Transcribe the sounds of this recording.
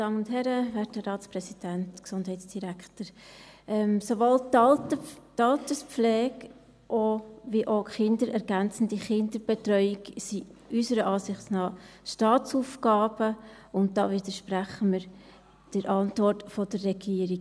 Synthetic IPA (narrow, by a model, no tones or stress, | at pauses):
d̥ɑːmənʊntɦɛɾəʋɛːtəɾɑːtspɾɛsid̥æntksʊndɦɛɪtsd̥iɾækχtəɾʔɛmsovoltːltətɑltəspp͡flɛːk | ʔoviʔoχɪndəɾɛɾɡænt͡sn̩diχɪndəɾb̥etɾœʏɪksiʔysəɾəʔɑːsɪχt͡snɑːʃtɑːt͡suːfkɑːb̥ə | ʊnt̚d̥ɑ̰ːvɪdəʃpɾæχəməɾ | d̥əɾʔɑntvɔɾtfɔd̥ərɛɡiːəɾi